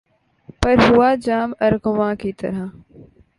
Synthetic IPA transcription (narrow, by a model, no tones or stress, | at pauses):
pɐɾɦʊaːd͡ʒaːmɐɾɡʊʋãːkit̪ɐ̰ɾa